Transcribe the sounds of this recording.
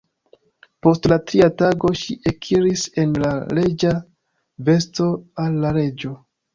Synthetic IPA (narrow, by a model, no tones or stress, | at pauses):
po̞stlatɾiataɡo̞ʃiʔekʰiɾise̞nlaɾe̞d͡ʒa | ve̞sto̞alːaɾe̞d͡ʒo̞